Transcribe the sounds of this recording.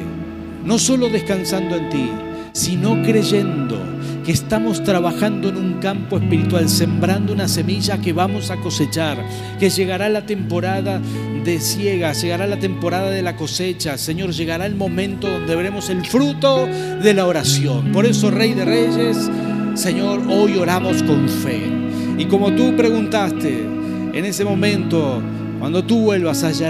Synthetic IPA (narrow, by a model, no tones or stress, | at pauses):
no̞so̞lo̞ðe̞skansand̪oent̪i | sino̞kɾe̞ʒe̞nd̪o̞̰ | keːst̪amost̪ɾaβaxand̪o̞enuŋkampo̞espiɾit̪walse̞mbɾand̪ounase̞miʒake̞βamo̞sako̞se̞t͡ʃaɾ | ke̞ʒe̞ɣaɾalat̪e̞mpo̞ɾaða | ðe̞sjeɣaʒeɣaɾalat̪e̞mpo̞ɾaðaðe̞lako̞set͡ʃaseɲo̞ɾʒe̞ɣaɾaelmõ̞mẽ̞nt̪oðo̞nd̪e̞βeɾe̞mo̞se̞lfɾut̪o̞ | ðelaoɾasjo̞npo̞ɾe̞so̞rejðereʒesː | eɲo̞ɾo̞jo̞ɾamo̞sko̞ɱfe | iko̞mo̞t̪upɾe̞ɣunt̪ast̪ḛ | ḛne̞semõ̞mẽ̞nt̪o̞ | kwand̪o̞t̪uβwe̞lβasaʒa